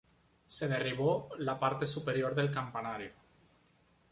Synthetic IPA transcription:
se̞ð̞eriβ̞olapaɾt̪esupe̞ɾjoɾðe̞lkampanaɾjo

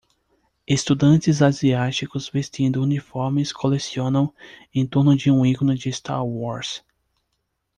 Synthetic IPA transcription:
est̪ud̪ɐ̃nt͡ʃɪzaziat͡ʃikʊzvest͡ʃĩnd̪ʊunifɔɾmɪskʰolesiõnɐ̃w̃ẽt̪oɾnʊd͡ʒɪũikonʊd͡ʒɪst̪a̰ɾwɔɾs

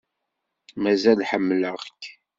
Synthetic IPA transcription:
mæzælħəmːləʁkː

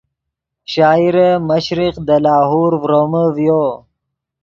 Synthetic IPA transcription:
ʃaːiɾeməɕɾiqd̪əlaːɦuːɾvɾoməvjoː

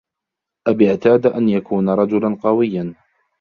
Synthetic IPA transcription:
ʔabɪʕt̪aːd̪ʔanjakʰuːnaɾˤɑd͡ʒʊlanqɑwɪjːan

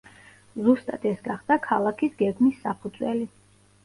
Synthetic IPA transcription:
zust̪ʼad̪̥ɛsɡaχd̪̥akʰalˠakʰisɡɛɡmisːapʰud̪zʼwɛ̰li

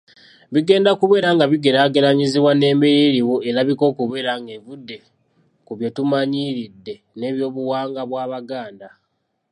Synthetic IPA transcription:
βiɡe̞ːndakuβe̞ːɾaŋɡaβiɡe̞ɾaːɡeɾaɲiziβwane̞ːmbeɾiɾiwoelaβiko̞ːkuβe̞ːɾaŋɡe̞vudːe̞ | kuβjo̞tumaɲiɾidːe̞ | ne̞ːβjo̞ːβuwaːŋɡaβwaːβaɡaːnda

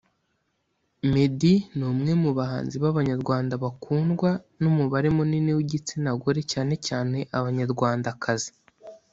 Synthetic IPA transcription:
me̞dinuːmŋe̞muβaɦa̰ːnziβaβaɲaɾɡwaːndaβakʰuːnɡwa | numuβaɾemuniniwiɟit͡sinaɡoɾe̞caːne̞caːne̞ʔaβaɲaɾɡwaːndakʰazi̥

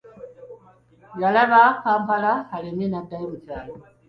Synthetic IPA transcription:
jalaβakaːmpalahalininadaimutaːlo

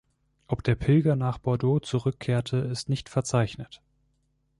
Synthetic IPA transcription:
ʔɔpd̥eːɐpʰɪlɡɐnaːχb̥ɔɐdoːt͡suʁʏkʰːeːɐtʰəɪstnɪçtfɛɐt͡saɪçnət

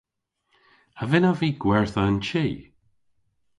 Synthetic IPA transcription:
havɪnaviːɡ̥wɛɹθaənt͡ʃiː

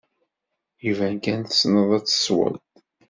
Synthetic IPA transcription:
jivænkænt̪ə̥snəðˤæt͡sːə̥swə̰lt̪

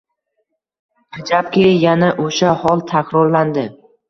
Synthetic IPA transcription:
hɪd͡ʒap̚kʲʰejanaʔoʃahɒlˠt̪ʰakʲɾɒɾland̪ɪ

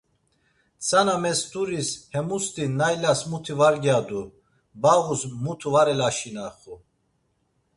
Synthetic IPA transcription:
t͡sʰanamɛst̪ʼuɾishɛmust̪ʰʼinajlasmut̪ʰivaɾɡjad̪u | baʁusmut̪ʰuvaɾɛlaʃinaχu

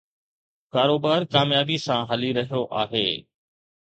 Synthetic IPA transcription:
kaːɾoːbaːɾkaːmjaːbisãɦɐliɾɐɦijoʔaːɦeː

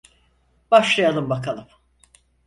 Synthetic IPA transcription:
b̥aʃlˠajalˠɯmbakʰalˠɯm

